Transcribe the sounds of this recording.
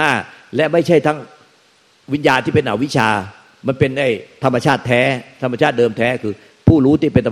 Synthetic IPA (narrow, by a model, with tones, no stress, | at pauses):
aː˥˩lɛ˦˥ma˥˩jt͡ɕʰa˥˩jt̪ʰa˦˥ŋ | wi˦˥njaː˧nt̪ʰiː˥˩pe˧nːʔaː˩˦wi˦˥t͡ɕʰaː˧ | ma˧npe˧nːa˥˩jt̪ʰa˧mːa˧t͡ɕʰaː˥˩t̪ʰːɛː˦˥t̪ʰa˧ma˧t͡ɕʰaː˥˩t̪̚dɤː˧mt̪ʰɛː˦˥kʰɯː˧ | pʰuː˥˩ɾuː˦˥t̪ʰi˥˩pe˧nɾa˧˨